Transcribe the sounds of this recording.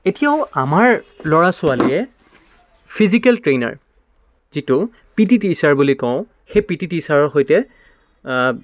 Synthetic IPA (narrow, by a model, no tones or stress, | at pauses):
etijaʊ̃amaɹlɔɹasʊalijɛ | pʰizikɛltɹena̰ɹ | z̥itʊ | pititisaɹbulikɔ̃ʊ̃ | xepititisaɹɔɹxojtɛ